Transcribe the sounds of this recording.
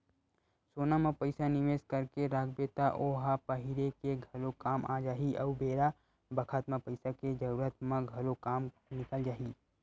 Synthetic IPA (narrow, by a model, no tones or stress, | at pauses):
soːnamẽpɐɪsanɪʋeːskəɾkeɾaːɡbet̪aʔoːɦapɐɦɪɾekeɡʱɐlokaːmʔaːd͡ʒaːɦiʔɐubeːɾa | bɐkʰat̪mãpɐɪsaked͡ʒɐɾuːɾət̪mẽɡʱɐlokaːm | nɪkəld͡ʒaːɦiː